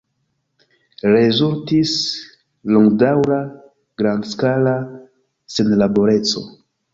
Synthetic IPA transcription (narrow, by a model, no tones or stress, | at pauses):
ɾe̞zultis | loŋɡdawɾa | ɡ̥ɾandskala | se̞nlaboɾe̞t͡so̞̰